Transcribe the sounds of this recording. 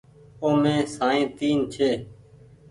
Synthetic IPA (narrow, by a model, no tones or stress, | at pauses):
oːmẽːsãːẽːt̪iːnt͡ʃʰeː